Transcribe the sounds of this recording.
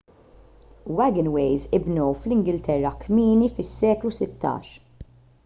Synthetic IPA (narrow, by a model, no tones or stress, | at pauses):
wɛɡɪnwejzɪbnɔwflɪŋɡɪlt̪ɛrːɐkmiːnifɪsːɛːklusɪt̪ːɐ̰ːʃ